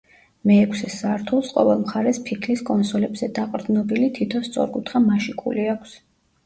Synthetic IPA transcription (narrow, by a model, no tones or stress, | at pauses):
mɛːkʰsɛsaɾt̪ʰulˠsqʼɔ̰vɛlˠmχaɾɛspʰikʰliskʼɔnsɔlɛbzɛd̪aqʼɾd̪nɔbilit̪ʰit̪ʰɔnst̪sʼɔ̰ɾkʼut̪χamaʃikʰʼṵliakʰs